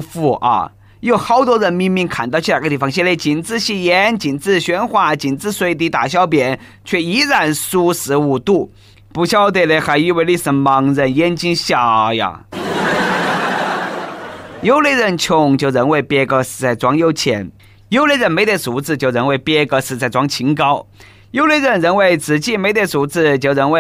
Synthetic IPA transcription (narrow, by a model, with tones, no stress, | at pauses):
fu˥˩ʔɐ̰˧˩ | jo˥˩ʊxɑ˧˥˩ʊt̪wɔ˥ɻə˧˥nmi˥˧ŋmi˥˩ŋkʰa˨˩nt̪ɑ˥˧t͡ɕʰa˨˩ɡə˧t̪i˥˩fɑ˧ŋɕɛ˥˧le˥˩ɪt͡ɕi˨˩nt͡sɹ̩˥˧ɕi˥˩jɛ˧˥nt͡ɕi˨˩nt͡sɹ̩˥˩ɕɥɛ˧˥nxwa˥˩t͡ɕi˨˩nt͡sɹ̩˥˧swe˧˥ɪt̪̬i˧˥t̪a˨˩ɕ̬jɑ˥˧ʊp̬jɛ˨˩˦n | t͡ɕʰɥɛ˥˩i˧˥ɻa˨˩nsu˥ʂɹ̩˧˥u˨˩t̪u˥˩ | pu˧˥ɕjɑ˥ʊt̪̬we˥˧ɪle˧ɪxa˧˥ɪy˥˧we˥˧ɪli˥˩s̩˧˩mɑ˧˥ŋɻə˧njɛ˥nt͡ɕi˥nɕjɑ˨˩ja̰˧ | jo˥ʊle˥˧ɪɻə˥˧˩nt͡ɕʰjʊ˥ŋt͡ɕjo˥˩ʊɻə˧˥nwe˥˧ɪpjɛ˥kɤ˧˥sɹ̩˧˩t͡sa˥˩ɪt͡swɑ˥ŋjo˥˧ʊt͡ɕʰjɛ̰˧˥n | jo˥ʊle˥˧ɪɻə˥˩nme˧˥t̪ə˧˩t͡su˧˥t͡sɹ̩˥˧t͡ɕjo˥˧˩ʊɻə˧˥nwe˥˩ɪpjɛ˥kɤ˧˥sɹ̩˧˩t͡sa˥˩ɪt͡swɑ˥ŋt͡ɕʰi˧˥ŋkɑ˥ʊ | jo˥ʊle˥˧ɪɻə˥˩nɻə˧˥nwe˥˩ɪt͡sɹ̩˨˩t͡ɕi˥˩me˧˥ɪt̪e˧˩t͡su˧˥t͡sɹ̩˥˧t͡ɕjo˥˩ʊɻə˧˥nwe˥˧ɪ